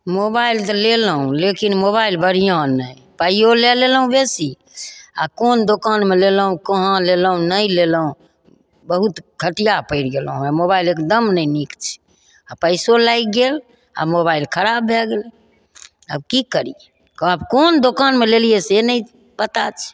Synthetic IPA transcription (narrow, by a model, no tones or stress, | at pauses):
mobailt̪ɔleləɦũlekinmoβailbəɽ̤ijãnəj | pəijolelelɦũbesi | a̰kond̪okanmeleləɦũkəɦãleləɦũnəileləũ | bəɦut̪ɡʱəʈijapəɪɾɡelɦũɛmoβailekd̪əmnəinikt͡ʃʰɛ̥ | apəɪsolajk̚ɡel | a̰moβailkʰəɾabːʱeɡl | ə̰bkikəɾie | kəbkond̪okanmelelijesenəi | bət̪at͡ʃʰɛ̥